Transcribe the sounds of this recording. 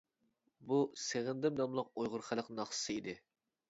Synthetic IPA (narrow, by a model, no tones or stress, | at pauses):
buseʁɪnd̪ɪmnɑmlˠɑq̚ojʁʊɾχælˠəqnɑχssɨid̪ɪ